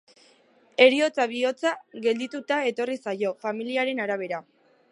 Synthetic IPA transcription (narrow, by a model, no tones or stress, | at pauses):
e̞ɾio̞t͡saβ̞io̞t͡saɣe̞ld̪it̪ut̪ae̞t̪o̞risajo̞familiaɾe̞naɾaβ̞e̞ɾa